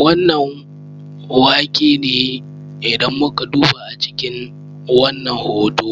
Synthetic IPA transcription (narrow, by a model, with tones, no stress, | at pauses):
wɐ˦nːɐ˨ŋ | waː˦kʲʼeː˨neː˨ | ʔɪ˨dɐ˦mːʊ˦ka˨duː˦ba˨ʔa˨t͡ʃɪ̥˦kʲɪ˦ŋ | wɐ˦nːɐ˨ŋhoː˦doː˦